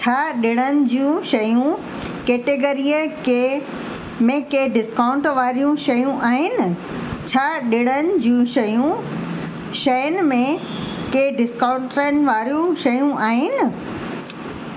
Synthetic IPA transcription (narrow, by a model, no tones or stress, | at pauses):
t͡ɕʰaːɗɪɽ̃ənɪ̆d͡ʑiũʃɐjũ | keːʈeɡəɾiəke | mẽkeɖɪskaːʊ̃ɳʈʋaːɾijũʃɐjũʔaːɦɪnɪ̆ | t͡ɕʰaːɗɪɽ̃ənɪ̆d͡ʑũʃɐjũ | ʃɐjənɪ̆mẽ | keɦɖɪskaːʊ̃ɳʈɾənɪ̆ʋaːɾijũʃɐjũʔaːɦɪnɪ̆